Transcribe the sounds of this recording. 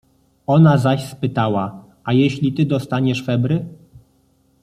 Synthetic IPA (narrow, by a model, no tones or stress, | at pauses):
ɔnazaɕspɘt̪awa | ajeɕlʲit̪ɘd̪ɔst̪aɲɛʂfɛbɾɘ